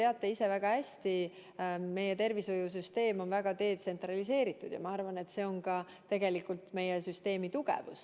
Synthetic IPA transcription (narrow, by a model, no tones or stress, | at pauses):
e̞ɑt̪ːˑe̞ise̞væɡ̥ɑhæsʲt̪i | me̞jet̪e̞rvisojus̬yst̪e̞ːmo̞nvæɡ̥ɑt̪e̞ːt̪se̞nt̪rɑlise̞ːɾit̪ːˑud̪jɑ̰mɑɑrvɑne̞t̪se̞o̞nkɑ | t̪e̞ɡe̞likult̪me̞jesyst̪e̞ːmit̪uɡ̥ḛvṵs